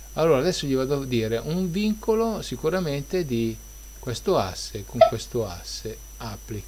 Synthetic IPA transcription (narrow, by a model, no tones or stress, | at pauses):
alːoːɾad̪ɛsːoʎivad̪ad̪iːɾeʔuɱviŋkolosikuɾament̪ed̪i | kwest̪oa̰sːekoŋkwest̪oa̰sːe | apːlik